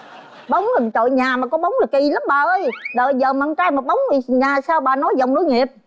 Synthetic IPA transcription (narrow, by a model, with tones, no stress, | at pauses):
ɓə˨˦wŋ͡ma˨˩˨t͡ɕo̰˧˨jɲaː˨˩maː˨˩kɔ˨˦ɓa˨˦wŋ͡mlaː˨˩ki˧la˨˦mɓaː˨˩ʔə˧jɗəː˧˨jzəː˨˩maː˨˧ŋt͡ɕaː˧jma˨˩ɓə˨˦wŋ͡mi˨˩˨ɲaː˨˩saː˧wɓaː˨˩nɔ˨˦jzə˨˩wŋ͡mno˨˦jŋi˨˩əp̚